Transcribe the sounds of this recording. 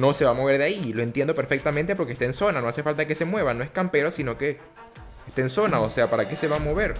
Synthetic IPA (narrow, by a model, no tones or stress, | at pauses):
no̞se̞βamo̞β̞e̞ɾðeailo̞e̞nt̪jend̪o̞peɾfe̞k̚t̪ament̪epo̞ɾkest̪enso̞nano̞ase̞falt̪ake̞se̞mwe̞βano̞e̞skampe̞ɾo̞sino̞ke̞ː | st̪e̞ːnso̞naose̞apaɾake̞se̞βamo̞βe̞ɾ